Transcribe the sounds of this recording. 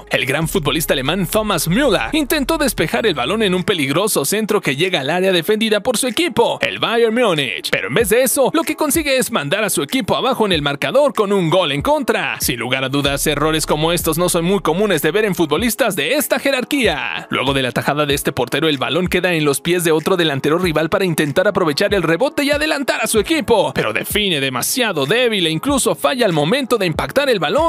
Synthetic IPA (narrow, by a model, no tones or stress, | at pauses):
e̞̰lɡɾaɱfut̪̚bo̞list̪aːle̞mãnt̪o̞masmjula̰int̪e̞nt̪o̞ðe̞spe̞xaɾe̞lβalo̞ne̞numpe̞liɣɾo̞so̞se̞nt̪ɾo̞ke̞ʝe̞ɣaːlaɾjaðe̞fe̞nd̪iðapo̞ɾsue̞kipo̞e̞̰lβajeɾmjonḭt͡ʃpe̞ɾoe̞mbe̞zðe̞eso̞lo̞ke̞ko̞nsiɣe̞ezmãnd̪aɾasue̞kipo̞aβaxo̞ene̞lmaɾkaðo̞ɾko̞nuŋɡo̞le̞ŋko̞nt̪ɾasinluɣaɾaðuðase̞ro̞ɾe̞sko̞mo̞e̞st̪o̞zno̞so̞nmujko̞mũne̞zðe̞βe̞ɾe̞ɱfut̪̚bo̞list̪azðe̞est̪axe̞ɾaɾkia̰lwe̞̰ɣo̞ðe̞lat̪axaðaðeest̪e̞po̞ɾt̪e̞ɾo̞e̞lβa̰lo̞ŋke̞ðaenlo̞spje̞zðe̞o̞t̪ɾo̞ðe̞lant̪e̞ɾo̞riβalpaɾaint̪e̞nt̪aɾapɾo̞β̞e̞t͡ʃaɾe̞lre̞βo̞t̪e̞iaðe̞lant̪aɾasue̞kipo̞pe̞ɾo̞̰ðe̞̰fine̞ðe̞masjaðo̞ðe̞β̞ileiŋkluso̞faʝaːlmo̞mẽ̞nt̪o̞ðe̞impakt̪aɾe̞lβalo̞n